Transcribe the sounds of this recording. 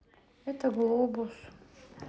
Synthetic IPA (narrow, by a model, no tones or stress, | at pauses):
ɛt̪ʰaɡlˠobus